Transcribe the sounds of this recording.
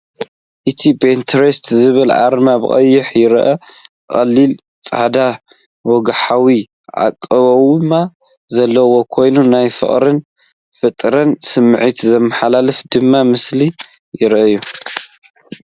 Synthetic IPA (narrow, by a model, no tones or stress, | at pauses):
ʔɨt̪ʰibɨint̪ʰɐɾest̪zɨβɨlʕa̰ɾmabɨ̰χʼɐ̰jːɪħjɪɾʔɐ | χʼɐlːil | t͡sʼa̰ħd̪a | wɔɡħawi | ʕa̰kʼːɐβɐwma | zɐlːɐwo̞kʰo̞jnunajfɨ̰χʼɾɨn | fɨt̪ʼɾɐnsɨmːʕit̪zɐmːɐħalalɨfd̪ɨmːamɨsli | jɪɾʔɐjːu